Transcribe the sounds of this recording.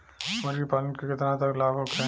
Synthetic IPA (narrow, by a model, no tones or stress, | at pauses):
smɐɾɡipaːlənkekɪt̪ɾãt̪ɐklaːbʱokʰẽ